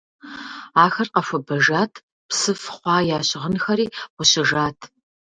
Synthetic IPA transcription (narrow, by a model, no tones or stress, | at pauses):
aːxɐrqɐfʷɐbɐʒaːtʰ | psɨfχʷɑːjaːɕɪʁənxɐɾiːʁʷʊɕɪʒaːtʰ